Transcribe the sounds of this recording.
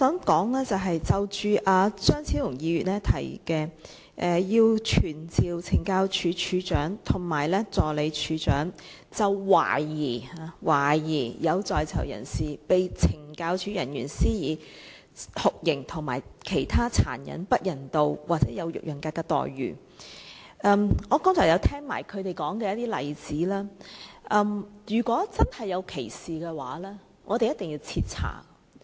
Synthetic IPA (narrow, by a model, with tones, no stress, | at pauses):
sœː˨˥mkɔː˨˥ŋlɛː˥t͡sɐ˨wɦɐ˨jt͡sɐ˨˧wt͡ʃyː˨˧ʔaː˨˧t͡sœː˥ŋt͡sʰiː˨˥wlʊ˨˩ŋjiː˨˧ɥyː˨t̚lɛː˥t̪ʰɐ̰˨˩jkɛː˧ | ʔɛː˨˩jiː˧wt͡ʃʰyː˨˩nt͡siː˨wt͡sʰɪ˨˩ŋkaː˧wt͡ʃʰyː˨˧t͡ʃʰyː˨˧˥t͡ʃœː˨˥ŋt̪ʰʊ˨˩ŋmaː˨˩jlɛː˥t͡sɔː˨le˨˧jt͡ʃʰyː˨˧t͡ʃœː˨˥ŋ | t͡sɐ˨wwa̰ː˨˩jiː˨˩aː˧waː˨˩jiː˨˩jɐ˨˧wt͡sɔː˨jt͡sʰɐ̰˨˩wjɐ̰˨˩nsiː˨˩pe˨jt͡sʰɪ˨˩ŋkaː˧wt͡ʃʰyː˨˥jɐ˨˩njy̰ː˨˩nsiː˥jiː˨˧ | hʊ˨k̚jɪ˨˩ŋt̪ʰʊ˨˩ŋma̰ː˨˩jkʰe˨˩jt̪ʰaː˥t͡sʰa̰ː˨˩njɐ̰˨˥npɐ˥t̚jɐ˨˩nt̪o˧wwaː˨t̚t͡sɛː˨˥jɐ˨˧wjʊ̰˨k̚jʊ˨˩ŋkaː˧kːɛː˧t̪ɔ̰ː˨jːy̰ː˨˩ | ʔɛ˧mŋɔː˨˧kɔ˥mt͡sɔ˨˩kjɐ˨˧wt̪ʰɛː˥ŋma̰ː˨˩jkʰɵ˨˧ɥt̪e˨˩jkɔː˨˥ŋkɛː˧jɐ˥t̪iː˥lɐ˨jt͡siː˨˥lɛː˥ʔmjyː˨˩kʷɔː˨˥t͡sɐ˥nhɐ˨˩jːɐ˨˧wkʰe˨˩jsiː˨kɛː˧waː˨˥lɛː˥ | ŋʔɔː˨˧t̪e˨jɐ˥t̪ɪ˨ŋjiː˧wt͡sʰiː˧t̚t͡sʰa̰ː˨˩ŋ